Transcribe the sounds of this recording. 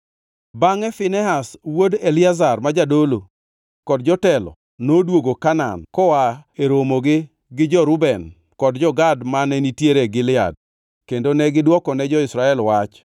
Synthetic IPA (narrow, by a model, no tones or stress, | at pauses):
baŋɛfɪnɛɦaswodelɪazarmad͡ʒadolo | kɔdd͡ʒɔtɛlɔ̰ | nodwoɡokana̰nkɔwaeɾomoɡɪ | ɡɪd͡ʒɔɾʊbɛn | kɔdd͡ʒɔɡadmanɛnitjeɾɛɡɪlɪa̰d̚ | kendonɛɡɪdwɔkɔnɛd͡ʒɔɪsɾaɛlwat͡ʃ